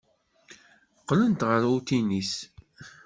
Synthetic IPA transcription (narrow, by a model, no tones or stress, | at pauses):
qːlənt̪ʁəɾut̪inis